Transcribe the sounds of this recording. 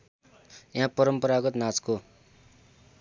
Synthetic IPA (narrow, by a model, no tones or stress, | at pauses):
jaɦãpʌɾʌmpʌɾaɡʌt̪nat͡sko